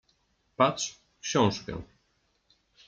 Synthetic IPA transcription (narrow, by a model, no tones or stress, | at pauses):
pat̪ʂ | kɕɔ̃w̃ʂkɛ̰